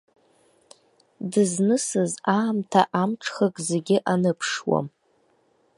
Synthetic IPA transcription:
dɨznɨsɨzaːmtʰaʔamʈ͡ʂʰχakʼzeɡʲɪʔanɨpʰʂwa̰m

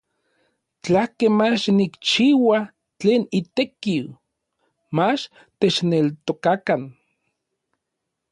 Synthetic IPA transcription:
t͡ɬahkemat͡ʃnikt͡ʃiːwa | t͡ɬeːnit̪ekiw | mat͡ʃ | t̪et͡ʃnelt̪okakan

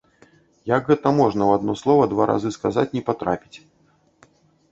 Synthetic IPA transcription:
jaɡɣɛt̪ɐmɔʐnɐwad̪nɔslˠɔvɐd̪vaɾʔa̰zɨskazat͡sʲnʲɛpat̪ɾa̰pʲit͡sʲ

